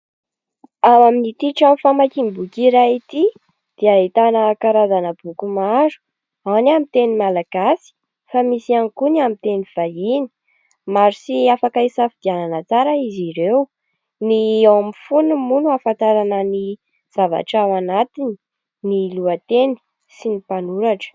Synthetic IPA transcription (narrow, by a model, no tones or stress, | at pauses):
awaminit̪iʈ͡ʂamfamakimbukiɾait̪i | d̪̥eait̪anəkaɾazanəb̥ukumaɾu̥ | awnamit̪enimalaɡ̥asi̥ | famisianikuniamit̪eniv̥aini̥ | maɾisiafakaisafid̪̥iananət͡saɾəiziɾew | niawamifunumunuafant̪aɾanəni | z̥ava̰ʈ͡ʂawanat̪ini | niluət̪eni̥ | sinipanuɾaʈ͡ʂə̥